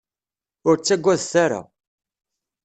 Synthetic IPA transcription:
ʊɾt͡sːæɡʷːæðθaɾa̰

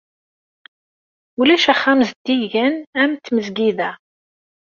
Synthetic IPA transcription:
ulæʃæχːæmzd̪ːiʝənæmt̪ːməzɡiðæ

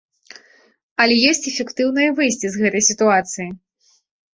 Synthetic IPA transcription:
ɐlʲɛjɔsʲt͡sʲɛfʲɛkt̪ɨwnɨjɐvɨjsʲt͡sʲizɣɛt̪ɐjsʲit̪uat̪sɨji

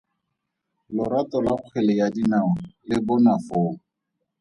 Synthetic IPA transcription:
lʊɾatɔlaχʊk͡xʰɛlɛjadinaɔlɪbʊnafoːŋ̩

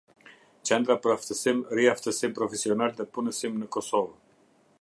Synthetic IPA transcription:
t͡ʃɛnd̪ɾapəɾaft̪əsimɾiaft̪əsimpɾɔfɛsiɔnalðɛpunəsimnəkɔsɔv

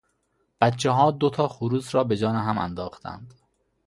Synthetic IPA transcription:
b̥æt̪t͡ʃʰːeɦɒːd̪ot̪ʰɒːxuɾuːsɾɒːbe̞d͡ʒɒːneɦæmæ̰nd̪ɒːxt̪ʰæ̰nd̪

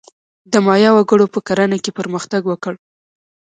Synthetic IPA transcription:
d̪əmɑjɑwaɡəɽopəkaɾanakepəɾməxt̪aɡwəkəɽ

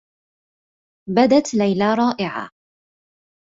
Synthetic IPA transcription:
bad̪at̪lajlaːɾˤɑːʔɪʕa̰ː

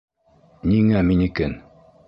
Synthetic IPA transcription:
niŋæminikɘn

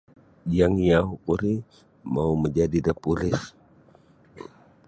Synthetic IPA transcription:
jaŋijaɦukuɾi | mauməɲd͡ʒadidəpulɪs

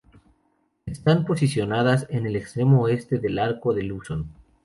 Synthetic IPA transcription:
est̪ampo̞sisjo̞nað̞ase̞ne̞le̞kst̪ɾe̞moe̞st̪e̞ðe̞laɾko̞ðe̞luson

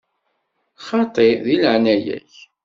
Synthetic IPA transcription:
χɑt̪ˤeðilʕnæjæ̰ç

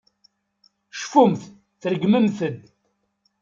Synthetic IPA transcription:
ʃfumθ | θɾəɡməmθəd̪

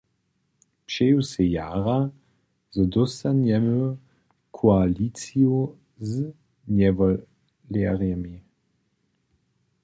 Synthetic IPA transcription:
pʃeːwsɛjaːʁa | zɔd̪ɔsanjɛmə | kʰoaliːt͡sio | z | njɛvɔ | lɛʁjɛmi

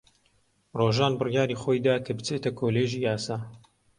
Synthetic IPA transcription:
roːʒaːnbɨrjaːɾiːχoːjd̪aːkʰɐbɨt͡seːt̪ɐkʰoːleːʒiːjaːsaː

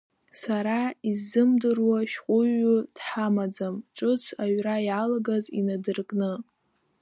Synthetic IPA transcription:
saɾaizːɨmdɨrwaʃᶣqʼʊɥʊd̥ħamad͡zamʈ͡ʂʼɨt͡sʰaɥrajalaɡazḭnadɨrkʼnɨ

